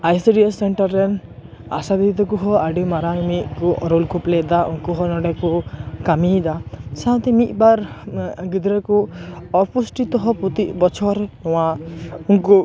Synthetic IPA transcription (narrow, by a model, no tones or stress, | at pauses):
ajseɖiasːeɳʈaɾːena̰sad̪iit̪ɔkuɦɔaɖimaɾamiʔkuʔɔɾolkupled̪aunkɔɦɔnɔɖakɔkamid̪asãt̪emiʔbaɾɡid̪ɾekuɔpusʈit̪ɔɦɔput̪ibɔt͡ʃʰɔɾnɔwaunku